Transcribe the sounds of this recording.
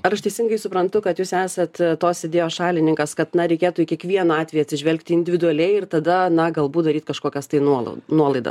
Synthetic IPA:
ɐɾɐʃt̪ʲɛɪsʲɪŋɡɐɪsʊpɾɐnt̪ʊkɐt̪juːsæːsɐt̪t̪oːsɪd̪ʲeːjoːsʃɑːlʲɪnʲɪŋkɐskɐt̪nɐɾʲɛɪkʲeːt̪uːɪkʲiɛkʋʲiɛnɐɑːt̪ʲʋʲɛːjɐt̪ʲsʲɪʒʲʋʲɛlʲkt̪ʲɪɪnʲd̪ʲɪʋʲɪd̪ʊɐlʲɛɪɪrt̪ɐd̪ɐnɐɡɐlˠbuːd̪ɐɾʲiːt̪kɐʃkoːkʲɛst̪ɐɪnuɔl̰ˠnuɔlˠɐɪd̪ɐ̰s

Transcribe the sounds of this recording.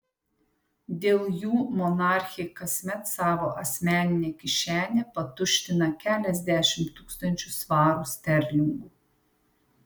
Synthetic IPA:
d̪ʲeːlˠjuːmɔnɑːˑɾʲxʲɪkɐsʲmʲɛt̪sɑːʋoːʔɐsʲmʲæːnʲɪnʲeːkʲɪʃʲæːnʲepɐt̪ʊʃʲt̪ʲɪnɐkʲæːlʲɛzʲd̪ʲæːʃʲɪmt̪uːkst̪ɐnʲt͡ʃʲʊsʋɑːɾusʲt̪ʲɛɾʲlʲɪŋɡuː

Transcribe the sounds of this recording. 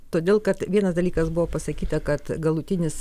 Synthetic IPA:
t̪oːd̪ʲeːlˠkɐt̪ʋʲiɛnɐsd̪ɐlʲiːkɐsbʊʋoːpɐsɐkʲiːt̪ɐkɐt̪ɡɐlˠʊt̪ʲɪnʲɪs

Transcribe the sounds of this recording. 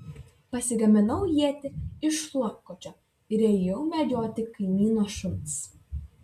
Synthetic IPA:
pɐsʲɪɡɐmʲɪnɐwjiɛt̪ʲɪɪʃlˠɑkːɔt͡ʃʲɔ | ɪɾʲɛjɛwmʲɛd̪ʲoːt̪ʲɪkɐjmʲiːnɔʃʊns

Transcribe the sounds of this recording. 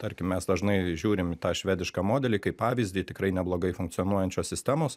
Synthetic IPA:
t̪ɐɾʲkʲɪmmʲɛsd̪ɐʒnɐɪʒʲuːɾʲɪmt̪ɑːʃʲʋʲæːd̪ʲɪʃkɑːmoːd̪ʲɛlʲiːkɐɪppɑːʋʲɪzʲd̪ʲiːt̪ʲɪkɾɐɪnʲɛblˠoːɡɐɪfʊŋkt̪ʲɪjɔnuɔjɛnʲt͡ʃʲoːssʲɪsʲt̪ʲæːmoːs

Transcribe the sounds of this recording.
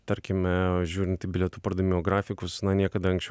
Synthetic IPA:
t̪ɐɾʲkʲɪmʲɛʒʲuːɾʲɪnt̪ʲɪbʲɪlʲɛt̪uːpɐɾd̪ɐmʲioːɡɾɑːfʲɪkʊsnɐnʲiɛkɐd̪ɐɐŋksʲt͡ʃʲɛ

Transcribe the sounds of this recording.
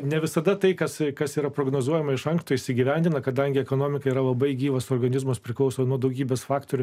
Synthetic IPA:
nʲɛʋʲɪsɐd̪ɐt̪ɐɪkɐskɐsiːɾɐpɾoːɡnoːzuɔjɛmɐɪʃɐŋkst̪ʊɪʃʲsʲɪɡʲiʋʲɛnʲd̪ʲɪnɐkɐd̪ɐŋʲɡʲɪɛkoːnoːmʲɪkɐiɾɐlˠɐbɐɪɡʲiːʋɐsoːrɡɐnʲɪzmʊspʲɾʲɪklˠɐʊsoːnuɔd̪ɐʊɡʲiːbʲeːsfɑːkt̪oːɾʲʊ

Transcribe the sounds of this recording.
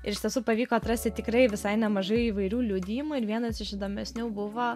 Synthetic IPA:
ɪ̰ɾɪʃʲt̪ʲiɛsuːpɐʋʲiːkoːɐt̪ɾɐsʲt̪ʲɪt̪ʲɪkɾɐɪʋʲɪsɐɪnʲɛmɐʒɐɪiːʋɐɪɾʲuːlʲuːd̪ʲiːmuːɪɾʋʲiɛnɐsɪʃɪd̪oːmʲɛsʲnʲuːbʊʋoː

